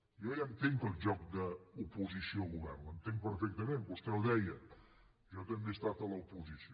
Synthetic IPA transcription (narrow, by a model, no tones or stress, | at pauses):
jɔjant̪eŋkəlˠʒɔk̚d̪əupuzisioɣuβɛ̰rnənt̪eŋpəɾfɛk̚t̪əmenbust̪ɛwðɛjə | ʒɔt̪əmbest̪at̪ələupuzisi